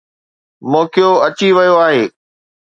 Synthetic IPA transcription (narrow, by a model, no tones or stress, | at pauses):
mõːkijoɐt͡ɕiʋɐjoaːɦeː